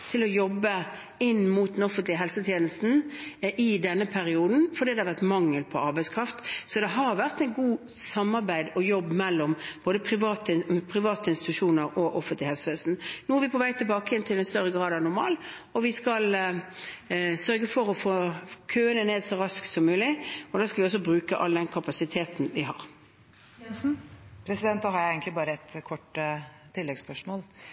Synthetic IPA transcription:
t̪ʰɪlɔjɔbːə | ɪnːmuːt̪̚d̪ɛnɔfənt̪lɪəɦɛlsət̪ʰjeːnəst̪n̩ʔɪd̪ɛnːəpʰæɾɪuːd̪n̩fɔɾdiːd̪ɛhɑɾʋæʁt̪mɑŋːəlpʰɔɑɾbæɪskʰɾɑft̪sɔd̪ɛɦɑɾʋæʁt̪æɪɡuː | sɑmːɑʁbæɪd̪ɔjɔbːmɛlːɔmb̥oːd̪əpʰɾɪʋɑːt̪əɪpʰʁɪʋɑːt̪əɪnst̪ɪ̥t̪ʉʂuːnəɾɔʔɔfənt̪lɪhɛlsəʋeːsn̩nuːɛɾʋɪpʰɔʋæɪt̪ʰɪlbɑːkəɛnt̪ʰɪlɛnst̪œɾəɡɾɑːd̪ɑnʊɾmɑ̰ːl | ɔʋɪskɑl | sœɾɡəfɔɾɔfoːkʰøːənəneːd̪sɔɾɑsk̪sɔmːʉːlɪɔd̪ɑːskɑlʋɪɔs̬ːɔbɾʉːkəʔɑ̰ld̪ɛnkʰɑpɑsɪt̪ʰeːt̪n̩ʋɪɦɑ̰ːɾ | pʰɾɛsɪd̪ɛnt̪̚d̪ɔhɑɾjæɛːɡən̩tlɪbɑːɾəɛt̪kʰɔʈːət̪ʰɪlːɛɡspœʂmoːl

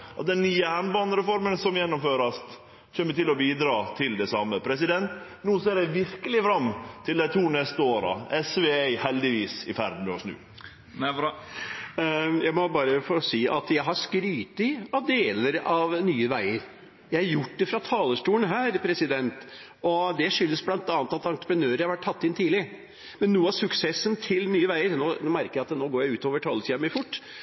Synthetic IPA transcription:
ʔɑ̰t̪̚d̪ɛnːyːəænbɑnəɾɛfɔɾmənsɔmjɛnːʊmføːɾəɑt̪ | çɛmːət̪ɪlɔbiːd̪ɾɑːt̪ʰɪld̪ɛsɑmːəpʰɾɛsɪd̪ɛnt̪ | nuːseːɾæɪʋɪɾkəlɪfɾɑmːt̪ʰɪld̪æɪt̪ʰuːnɛst̪əoːɾɑ̰ɛsʋeæɪhɛld̪ɪʋiːsɪfæɾd̪n̩mɛɔsnʉ̰ː | jæɪmɔbɑːɾəfɔɾɔsiːʔɑ̰t̪jæɪɦɑskɾyːt̪ɪɑʋd̪eːləɾɑʋnyːəʋæɪəɾ | jæɪhɑɾjʊʈːd̪ɛfɾɑt̪ʰɑːləʂʈuːənɦæːɾpʰɾɛsɪd̪ɛnt̪ | ɔd̪ɛʂʏlːəsblɑnt̪ɑnət̪ɑt̪ɑnt̪ɾə̥pɾənøːɾəɾhɑɾʋæʈ̚ʰːɑt̪ːɪnt̪ʰiːlɪ | mɛnːuːəɑsʉksɛsːənt̪ʰɪlnyːəʋæɪəɾnoːnoːmæɾkəɾjæɪɑt̪noːɡoːɾjæɪʉːt̪oːʋəʈʰɑːləsʈimɛfʊʈː

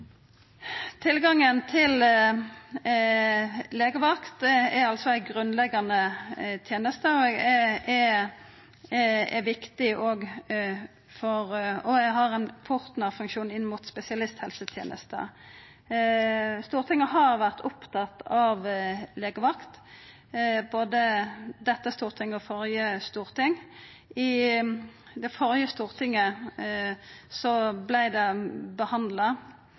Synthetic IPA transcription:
t̪ʰɪlɡɑŋənt̪ʰɪl | leːɡəʋɑkt̪ɛɾɑlsɔæɪɡʁʉnlɛɡɑnət̪ʰjeːnəst̪əɔɛɛ | ɛʋɪkt̪ɪʔoːɡ | fɔʁɔɛɡɦɑʁɛnpʰʊʁt̪nɑʁfʉŋkʃuːnɪnːmuːt̪spɛsɪɑlɪst̪hɛlsət̪ʰjḛːnʔə̰st̪ə̰ | st̪uːʁt̪ʰɪŋəɦɑʁʋæʁt̪ʰʊpt̪ʰɑt̪ːɑʋleːɡəʋɑkt̪ | boːd̪əd̪ɛt̪ːəst̪uːʁt̪ʰɪŋɔfɔʁjəst̪uːʁt̪ɪŋ | ɪ | d̪ɛfɔʁjəst̪uːʁt̪ʰɪŋːə | sɔblæɪd̪ɛbəhɑnd̪lɑ

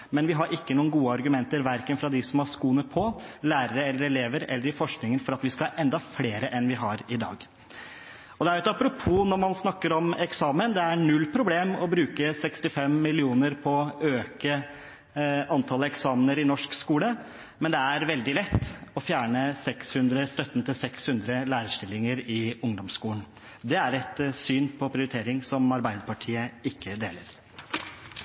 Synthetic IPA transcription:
mɛnʋɪɦɑɾʔɪkːənuːənɡuːəɑɾɡʉmɛnt̪əɾʋæɾkənfɾɑd̪ɪsɔmhɑʂkuːnəpʰɔlæːɾəɾəɛlːəɾɛleːʋəɾɛ̰lːəɾɪfɔʂknɪŋənfɔɾɑt̪ʋɪskɑʔɛnd̪ɑfleːɾəʔɛnʋɪɦɑɾɪd̪ɑ̰ːɡ | ɔd̪ɛæɾʉɛt̪ɑpɾʊpʰuːnɔɾmɑnsnɑkːəɾɔmɛksɑːmənd̪ɛæɳʉlːpʰɾʊbleːmɔbɾʉːkəsɛkst̪ɪfɛmːɪlɪuːnəɾpʰɔøːkə | ɑnt̪ʰɑləɛksɑːmnəɾɪnɔʂkskuːlə | mɛnd̪ɛæɾʋɛld̪ɪlɛt̪ːɔfjæːɳəsɛkshʉnd̪ɾəst̪œt̪ːnət̪ɪlsɛkshʉnd̪ɾəlæːɾəʂʈɪlːɪŋəɾɪʊŋd̪ɔmskuːln | d̪ɛæɾɛt̪syːnpʰɔpʰɾɪʊɾɪt̪ʰeːɾɪŋsɔmɑɾbæɪd̪əpɑʈʰiːəɪkːəd̪eːləɾ

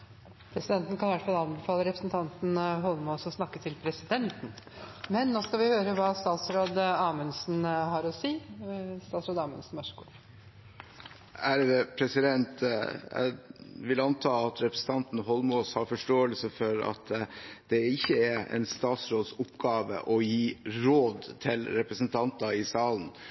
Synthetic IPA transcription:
pʰɾɛsɪd̪ɛnt̪n̩kʰɑnɪʋæʈfɑlɑnbɛfɑːləɾɛpɾəsnt̪ʰɑnt̪nɦɔlmoːsɔsnɑkːət̪ʰɪlpʰɾɛsɪd̪ɛnt̪n̩mɛnːoːskɑʋɪhøːɾəʋɑːst̪ɑːt̪sɾoːd̪ɑːmənsnhɑɾɔsiːst̪ɑːt̪sɾoːd̪ɑːmə̰nsn̩mɑʂku | æɾʋɛpʰɾɛsɪd̪ɛnt̪ | ʋɪlɑnt̪ʰɑːɑt̪ʰɾɛpɾəsn̩t̪ʰɑnt̪n̩ɦɔlmoːshɑɾfɔʂʈoːəlsəfɔɾɑ̰t̪d̪̥ɛɪçːəæɛ̰nst̪ɑːt̪sɾoːd̪sʊpɡɑːʋə̰ʔɔjiːɾoːd̪t̪ʰɪlɾɛpɾəsənt̪ʰɑnt̪ɑɪsɑːln̩

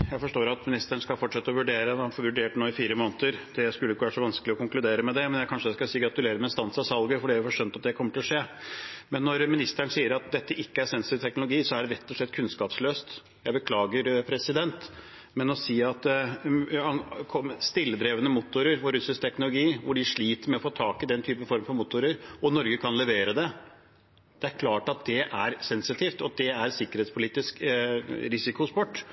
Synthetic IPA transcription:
jæɪfɔʂʈoːɾɑt̪mɪnɪst̪əɳ̩skɑlfɔʈʂɛt̪ːəɔʋʉɖeːɾəɑfɔʋʉɖeːʈnoːɪfiːɾəmoːnət̪əɾt̪ʰɪjæɪskʉlːəɪkːəʋæːɾəʂɔʋɑnskəlɪɔkʊŋklʉd̪eːɾəmɛd̪ɛmɛnjæɪkʰɑnʂəd̪ɛskɑsiːɡɾɑt̪ʉleːɾəmɛnst̪ɑnsɑsɑlɡəfɔɖiːæfɔʂœnt̪ɑt̪̚d̪ɛkʰɔmːəʈɪlɔʂeːmɛnːɔɾmɪnɪst̪əɳsiːəɾɑt̪̚d̪ɛt̪ːəʔɪkːəæɾsɛnsɪt̪ɪʋt̪ʰɛknʊlʊɡiːsɔæɖɛɾɛt̪ːɔʂlɭɛt̪ːkʰʉnskɑːpsløːst̪ | jæɪbəkʰlɑːɡəɾpʰɾɛsɪd̪ɛnt̪ | mɛnɔsiːɑt̪ | kʰɔmst̪ɪlːəd̪ɾeːʋənəmʊt̪ːʊɾəɾfɔɾʉsɪsk̚t̪ʰɛknʊlʊɡiːʋʊɖɪʂɭiːt̪əɾmɛɔfoːt̪ʰɑːkɪd̪ɛnt̪ʰyːpəfɔɾməfɔɾmʊt̪ʊɾəɾɔnɔɾɡəkʰɑnlɛʋeːɾəd̪ɛ | d̪̥ɛæɾkʰlɑːʈɑt̪̚d̪ɛʔæɾsɛnsɪt̪ʰiːft̪ɔd̪ɛæɾsɪkːəɾeːt̪spʰʊliːt̪ɪsk | ɾɪsɪkʊspɔʈː

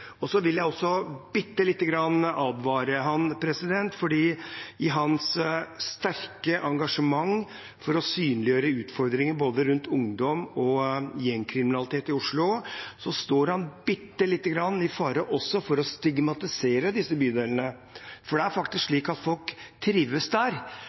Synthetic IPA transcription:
ɔsɔʋɪljæɪɔsːɔbɪt̪ːəlɪt̪ːəɡɾɑnːɑːd̪ʋɑːɾəɦɑnpʰɾɛsɪd̪ɛnt̪fɔɖiːɪɦɑnsst̪æɾkəʔɑŋɡɑʂəmɑŋ | fɔɾɔsyːnlɪjøːɾəʉːt̪fɔɾd̪ɾɪŋəboːd̪əɾʉnt̪ʊŋd̪ɔmɔjɛŋkʰɾɪmɪnɑlɪt̪ʰeːt̪ɪʊʂɭʊsɔst̪oːɾhɑnbɪt̪ːəlɪt̪ːəɡɾɑnːɪfɑːɾəʔɔsːɔfɔɾɔst̪ɪɡmɑt̪ɪseːɾəd̪ɪsːəbyːd̪eːlənə | fɔɖɛæɾfɑkt̪ɪskʂɭiːkɑt̪fɔlkt̪ʰɾiːʋəsd̪æɾ

